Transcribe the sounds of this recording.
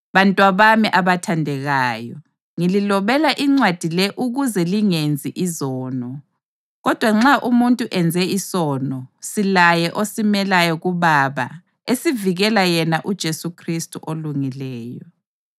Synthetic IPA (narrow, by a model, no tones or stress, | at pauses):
βantʼwaβamiʔaβatʰandʱɛɣaːjɔ | ŋililɔβɛlaʔiŋ͡ǀwad̥ʱilɛʔuɣuzɛliŋend͡zʱiʔizɔːnɔ | ɣɔd̥ʱwaŋ͡ǁaʔumuntʼuʔɛnd͡zʱɛisɔːnɔsilajɛʔosimɛlajɔɣuβaβa̰ | esiviɣɛlajɛnaʔud̥ʒ̥ʱesukʰristʼuʔoluŋilɛːjɔ